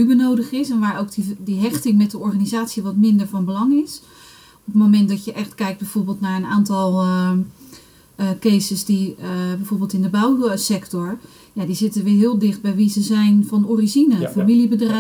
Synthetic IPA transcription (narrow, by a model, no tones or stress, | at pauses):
ybənowdəχɪsɛnʋaːɹowk̚didiɦɛχtɪŋmɛt̚dəɔɹχaːnizaːtsiʋɑtmɪndəɹvɑnbəlɑŋɪs | ɔpətmomɛntdɑtjəʔɛχtkɛjk̚d̚bɛjv̥oɹbɪːlˠtnaːɹənaːntɑlˠ | kejsəsdibɛjvoːɹbɪːlˠtɪndəbawsɛktɔɹ | jadizɪtəʋɪːɹɦɪːlˠdɪχd̚bɛjʋizəzɛjnvɑnorizinəfamilibədr